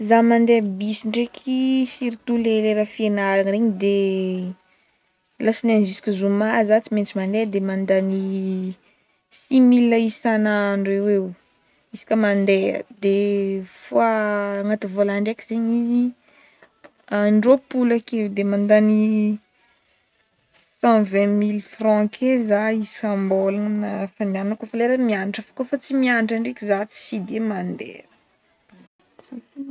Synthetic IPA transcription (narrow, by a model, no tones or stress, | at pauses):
zamand̪eəbisiɳɖ͡ʐekʰisiɾit̪uleɾeɾafienaɾaŋɾeɲid̪e | lasinanzisi̥kʲizumazat͡siment͡simand̪eəd̪emand̪ani | similəisanaːɳɖ͡ʐewew | isi̥kʲəmand̪eə̰d̪efoaːŋat̪ivolaɳɖ͡ʐekiz̥eɲizi | aɳɖ͡ʐopulakewd̪emãnd̪ani | sãvɛ̃milfrɔ̃kʰezaisãmbolaamnafanianunkofaleɾəmianiʈ͡ʂafḁkofat͡simianiʈ͡ʂaɳɖ͡ʐekizat͡si̥sid̪emand̪ḛ